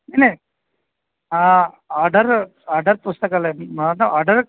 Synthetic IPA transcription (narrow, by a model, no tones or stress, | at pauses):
ene | a | aːɾɖɐɾ | aːɾɖɐɾpust̪ɐkɐlenɐaːɾɖɐɾ